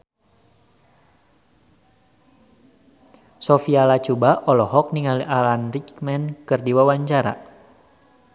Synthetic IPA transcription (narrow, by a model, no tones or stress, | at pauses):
sɔfialat͡ʃubaʔɔlɔhɔk̚niŋaliʔalanɾikmɛnkɨrdiwawaɲt͡ʃaɾa̰